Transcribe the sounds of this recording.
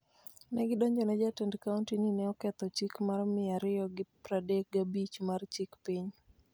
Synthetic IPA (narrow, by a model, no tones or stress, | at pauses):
nɛɡɪdɔɲd͡ʒɔnɛd͡ʒatɛndkauntininɛɔkɛt̪ɔt͡ʃikmarmɪaɾɪjɔɡɪpɾadek̚ɡabit͡ʃmart͡ʃikpiɲ